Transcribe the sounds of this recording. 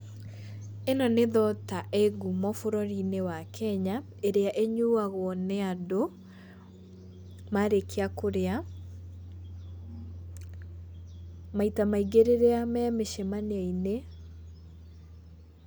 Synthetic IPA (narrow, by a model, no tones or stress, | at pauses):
enɔneðɔtaʔeɡumɔfoɾɔɾinewakʰɛɲa | eɾeaʔeɲuaɣwɔnɛado | maɾekʰeakoɾea | maitamaiɡeɾeɾeamɛmeʃemaneaine